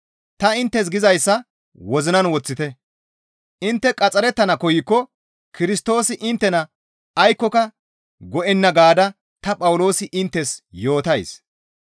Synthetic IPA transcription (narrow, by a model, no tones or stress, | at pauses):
t̪ɐɪnt̪ːɛs̬ɡɪzɐjsːɐ | wɔzɪnɐnwɔt͡sːɪt̪ɛ | ʔɪnt̪ːɛkʼɐt͡sʼɐɾɛt̪ːɐnɐkɔjɪkːɔ | kɪɾɪst̪o̞ːsɪʔɪnt̪ːɛnɐ | ɐjkːɔkɐ | ɡɔʔɛnːɐɡaːd̪ɐ | t̪ɐpʼɐwlo̞ːsɪʔɪnt̪ːɛsjo̞ːt̪ɐjs